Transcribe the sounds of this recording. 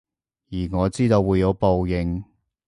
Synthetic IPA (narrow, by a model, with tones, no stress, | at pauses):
jiː˨˩ŋɔː˨˧t͡siː˥t̪o˧wːuː˨˧jːɐ˨˧wpo˨wjɪ˨˧ŋ